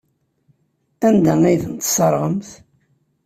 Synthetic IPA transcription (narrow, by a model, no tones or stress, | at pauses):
ænd̪æŋæjθənt̪səɾˤʁəmθ